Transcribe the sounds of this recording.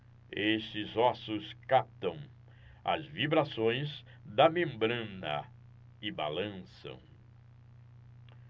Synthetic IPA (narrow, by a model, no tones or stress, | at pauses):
eʃt͡ʃɪzɔsʊskap̚t̪ɐ̃w̃ | ɐ̰zvibɾasõj̃z | d̪ɐmẽmbɾɐ̃nɐ̰ | ɪba̰lɐ̃sɐ̰̃w̃